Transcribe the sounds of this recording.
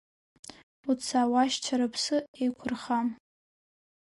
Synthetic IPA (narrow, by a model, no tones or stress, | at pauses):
ut͡sʰaːwaʃt͡ʃʷʰaɾapʰsɨejkʷʰʊrχam